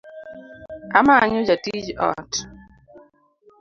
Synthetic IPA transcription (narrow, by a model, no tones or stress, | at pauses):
amaɲʊd͡ʒatid͡ʒɔ̰t